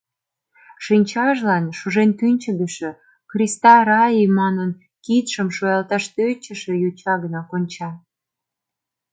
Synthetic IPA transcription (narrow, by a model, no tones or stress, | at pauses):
ʃinʲt͡ɕɑʒlɑnʃuʒent̪ynʲt͡ɕəɡəʃø̆ | xrʲist̪ɑɾɑjimɑnən | kit̪ʃəmʃojɑlt̪ɑʃt̪øt͡ɕə̆ʃĕjut͡ɕɑɣənɑkonʲt͡ɕɑ